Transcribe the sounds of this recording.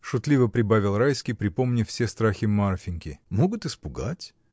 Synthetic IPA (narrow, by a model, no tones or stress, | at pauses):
ʂʊt̪lʲivəpɾʲɪbavʲɪlˠrajskʲɪjpɾʲɪpo̞mnʲɪfsʲest̪ɾaxʲɪmarfʲɪnʲkʲɪmo̞ɡʊt̪ɨspʊɡatʲ